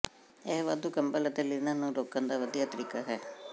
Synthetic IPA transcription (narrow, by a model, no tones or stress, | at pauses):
eɦʋad̪ukɐmbɐlɐd̪ɐlːinɐnːuɾoːkːɐnd̪ɐʋɐd̪iɐt̪ɾikɐɦe